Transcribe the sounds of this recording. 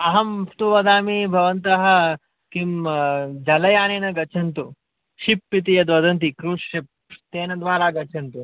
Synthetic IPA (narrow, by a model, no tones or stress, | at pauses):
ɐɦɐmt̪uʋɐd̪aːmibʱɐʋɐnt̪ɐɦɐ̆ | kimd͡ʒɐlɐjaːneːnɐɡɐt͡ʃʰɐnt̪u | ʃipːit̪̬ijɐd̪ʋɐd̪ɐnt̪̬ikɾuːʂip̚ | t̪eːnɐd̪ʋaːlaːɡɐt͡ʃʰɐnt̪u